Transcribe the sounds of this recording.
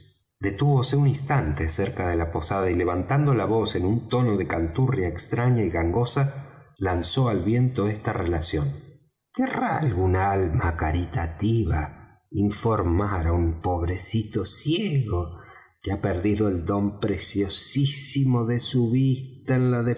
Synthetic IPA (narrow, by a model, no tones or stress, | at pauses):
d̪e̞t̪uβo̞seunĩnst̪ant̪e̞seɾkaðe̞lapo̞saðaile̞β̞ant̪and̪olaβo̞se̞nunt̪o̞no̞ðe̞kant̪urjaekst̪ɾaɲaiɣaŋɡo̞salanso̞alβje̞nt̪o̞est̪arelasjo̞n | k̪eralɣunaalmakaɾit̪at̪iβa | iɱfo̞ɾmaɾaumpo̞βɾesit̪osjeɣo | keapeɾðiðo̞eld̪o̞mpɾesjo̞sisimoðesuβist̪aenlaðe